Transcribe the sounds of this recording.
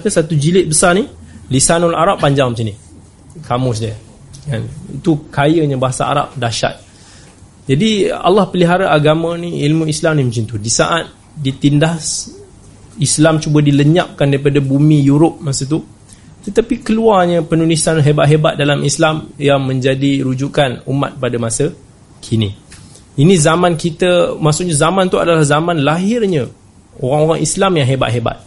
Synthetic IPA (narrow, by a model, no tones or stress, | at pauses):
akəsat̪ud͡ʒilɪt̪̚bəsarnilisanolaʔaɾapːaɲd͡ʒaŋmət͡ʃani | kamʊs̬di | kanḭt̪ukajəɲəbaɦasa̰a̰ɾa̰p̚daʃa̰t̪̚ | d͡ʒadia̰lːɑhpəliɦaɾaʔaɡamãniilmũislamnimũt͡ʃint̪udisa̰ʔat̪̚ | dit̪indahs | islamt͡ʃubədiləɲa̰p̚kandaɾipadabumĩjuɾʊp̚masət̪̬u | t̪ət̪apikəluarɲəpənulisanɦebat̪̚ɦebat̪̚dalamislamjaŋmə̃ɲd͡ʒadiɾud͡ʒuʔkanuma̰t̪̚padamasə | kʰinḭ | inĩzamankit̪əmaʔsʊʔɲazamãnt̪ua̰dalahzamãnlaɦɪrɲə | oɾaŋoɾaŋʔislamjaŋɦeba̰t̪̚ɦeba̰t̪̚